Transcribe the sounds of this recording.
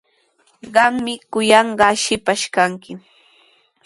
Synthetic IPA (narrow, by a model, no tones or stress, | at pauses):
ɢɑŋmɪkʊjɑɴɢɑʃɪpaʃkaŋkɪ